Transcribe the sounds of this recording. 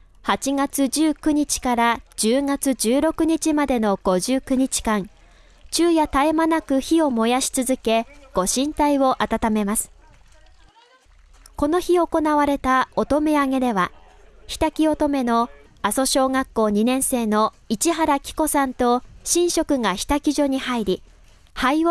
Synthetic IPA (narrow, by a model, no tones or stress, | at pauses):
hat͡ɕiɡat͡sɨd͡ʑɨːkɯ̟ɲ̟it͡ɕi̥kaɾad͡ʑɨːŋat͡sɨd͡ʑɨːɾo̞kɯ̟ɲ̟it͡ɕimad̪e̞no̞ɡ̥o̞ʑɨːkɯ̟ɲ̟it͡ɕi̥kãŋ | t͡ɕɨːjat̪aemanakɯ̟çio̞mo̞jaɕi̥t͡sɨzɨke̞ɡ̥o̞ɕĩnt̪aiβo̞ʔat̪at̪ame̞masɨ̥ | ko̞no̞çioko̞naβaɾe̞t̪aot̪o̞me̞aŋe̞d̪e̞βa | çi̥t̪akʲio̞t̪o̞me̞no̞ | aso̞ɕo̞ːŋakːo̞ːɲ̟inẽ̞ɰ̃se̞ːno̞ | it͡ɕiɦaɾakʲi̥ko̞sãnt̪o̞ɕĩɰ̃ɕo̞kɯ̟ŋaçʲi̥t̪akʲiʑo̞ɲ̟ihaiɾʲi | hai